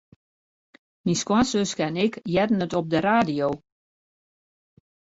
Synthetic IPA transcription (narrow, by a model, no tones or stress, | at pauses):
minskwasøskɛnɪkjɛdən̩ətɔp̚dəɾaːdijow